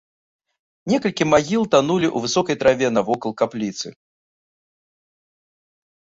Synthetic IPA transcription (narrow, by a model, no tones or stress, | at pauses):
nʲɛkɐlʲkʲimaɣʲilˠt̪anulʲiʔuvɨsɔkɐjt̪ɾavʲɛnɐvɔkɐlˠkaplʲit̪sɨ̰